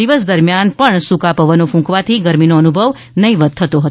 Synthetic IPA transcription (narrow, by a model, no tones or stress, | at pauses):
iʋəsd̪əɾmjanpəɳsukapəʋənofũkʋat̪ʰiɡəɾminoənubʱəʋ | nəĩʋəd̪̚t̪ʰət̪oɦət̪